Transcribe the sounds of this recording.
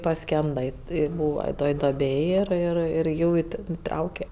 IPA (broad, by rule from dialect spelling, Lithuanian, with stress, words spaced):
pɐˈsʲkʲɛndɐ ˈɪ ɪ ˈbuːʋɐ ˈtoːj ˈdoːˈbʲeːj ˈɪr ˈɪr ɪr ˈjuː ɪ ˈtʲɛn ɪˈtrɐʊkʲɛ